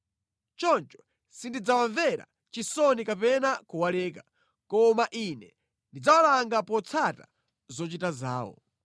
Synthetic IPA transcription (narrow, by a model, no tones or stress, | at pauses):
t͡ʃɔnt͡ʃɔ̥ | sindid͡zawaɱvɛɾa̰ | t͡ʃisɔnikapɛnakuwalɛːka | kɔmaʔinɛ | ndid͡zawalaŋɡapɔt͡sʰata̰ | zɔt͡ʃitaza̰ːwɔ̰